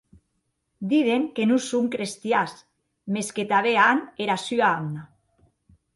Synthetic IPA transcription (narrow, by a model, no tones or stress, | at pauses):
d̪iðeŋkenusumkɾest̪jas | mesket̪aβeaneɾasyaamna